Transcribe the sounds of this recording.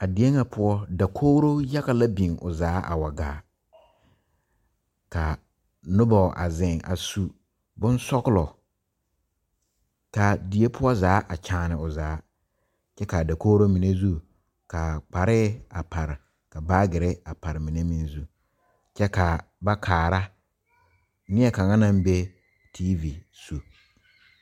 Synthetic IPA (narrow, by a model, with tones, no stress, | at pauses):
a˨di˨e˦ŋa˨pʰʊ˦ɔ˦da˨kʰoː˦ɾo˦ja˦ɣa˦la˦bĩ˨ŋʊ̰˨zaː˨˦ʔa̰˨wa˨ɡa̰ː˨ | ka˨ | nʊ˦bɔ˨ʔa̰˨zɪ̃˨ŋʔa̰˨su˦ | bʊ̃˦n˦sɔ˦ɡlɔ˨ | ka˨di˨e˦pʰʊ˦ɔ˦zaː˨˦ʔa˨t͡ʃʰãː˨nɪ˨ʊ˨zaː˨˦ | t͡ʃɛ˦ka˨da˨koː˦ɾo˦mi˨ne˦zu˦ | ka˨k͡pa˨ɾɪ˦a˨pʰa˨ɾɪ˨ | ka˨baː˦ɡɪ˨ɾɪ˦a˨pa˨ɾɪ˨mĩ˨ne˦mĩ˦n˦zu˦ | t͡ʃɛ˦ka˨ba˦kʰaː˨ɾa˦ | nɪ˦ɛ˦ka˨ŋa˦nã˦m˦be˦ | tʰi˦vi˨ | su˨